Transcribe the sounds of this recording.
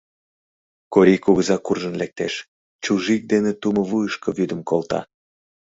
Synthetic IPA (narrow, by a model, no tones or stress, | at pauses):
koɾikuɣəzɑkurʒə̆nlek̚t̪eʃ | t͡ɕuʒik̚d̪enet̪umɤ̆βujəʃkovyd̪əmkolt̪ɑ̰